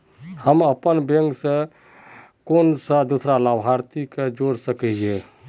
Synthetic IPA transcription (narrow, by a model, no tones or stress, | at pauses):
həməpənbeŋksẽ | konsə̃d̪usɾalabʱɦaɾt̪iked͡ʒoɾsəkɛje